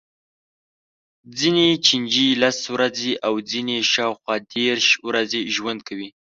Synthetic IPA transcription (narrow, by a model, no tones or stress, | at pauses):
d͡zinet͡ʃind͡ʒilaswɾazeʔawd͡zineʃɑwxwɑd̪eɾʃwɾazeʒwand̪̚kʰawi